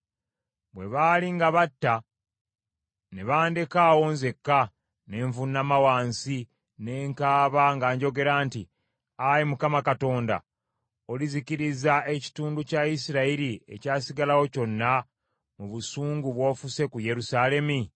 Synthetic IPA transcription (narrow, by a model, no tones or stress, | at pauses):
bwe̞βaliŋɡaβatːa | ne̞βaːndekaːwonze̞kːa | ne̞ɱvunːamawaːnsi | ne̞ːŋkaːβaŋɡaːɲɟo̞ɡe̞ɾaːnti | ajimukamakato̞ːnda̰ | o̞liziciɾizae̞ci̥tuːnducaisiɾaiɾie̞̰caːsiɡalawo̞co̞nːa | muβusuːŋɡuβwo̞ːfuse̞kuje̞ɾusale̞mi